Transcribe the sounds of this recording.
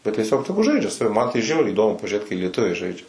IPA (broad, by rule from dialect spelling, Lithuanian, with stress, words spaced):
bʲɛt tʲiɛˈsʲoːk ˈtʲæːɡʊ ˈʒɐɪd͡ʒʲɛ sɐˈʋʲɪ mɐn tɐɪ ˈʒʲɛʊrʲɛɪ iːˈdoːmʊ pɐʒʲʊˈrʲeːt kɐɪ lʲiɛˈtʊʋʲɛɪ ˈʒɐɪd͡ʒʲɛ